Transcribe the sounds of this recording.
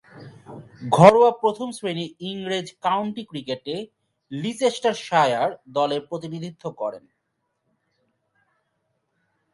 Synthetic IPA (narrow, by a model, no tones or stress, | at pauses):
ɡʱɔɾowapɾot̪ʰomsɾeniiŋɾed͡ʑkawɳʈikɾikeʈe | lit͡ɕesʈaɾʃajaɾd̪ɔleɾpɾot̪̬inid̪ʱit̪ʰːokɔ̰ɾḛn